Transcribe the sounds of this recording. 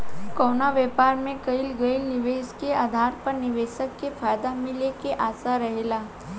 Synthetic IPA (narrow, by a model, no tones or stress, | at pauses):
kɔwnaʋɛːpaːɾmẽkəilɡəilnɪʋeːskeaːd̪ʱaːɾpəɾnɪʋeːʃəkːefʰaːjd̪amɪlekeʔaːsaɾɐɦela